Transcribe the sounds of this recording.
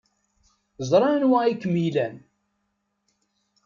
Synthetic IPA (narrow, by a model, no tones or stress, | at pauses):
zˤɾˤɑnwæikːəmilæn